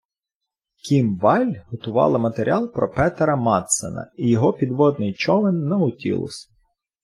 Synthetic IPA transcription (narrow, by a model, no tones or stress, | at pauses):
kʲimʋɑlʲɦɔt̪ʊʋɑ̰lˠɐmɐt̪eɾʲɑlˠpɾɔpɛt̪ɾɐmɑt̪sḛnɐ̰ijɔɦɔpʲid̪ʋɔd̪nɪjt͡ʃɔʋɪnːɐʊtʲḭlˠɔ̰sʲ